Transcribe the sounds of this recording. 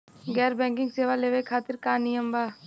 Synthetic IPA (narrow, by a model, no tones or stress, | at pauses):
ɡɛːɾbɛ̃ːŋkɪ̃ŋɡseːʋaleːʋekʰaːt̪ɪɾkaːnɪjəmbaː